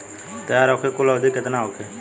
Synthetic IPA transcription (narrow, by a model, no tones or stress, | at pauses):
t̪eaɾokʰekʊlaːd̪iːkɪt̪naːokʰeː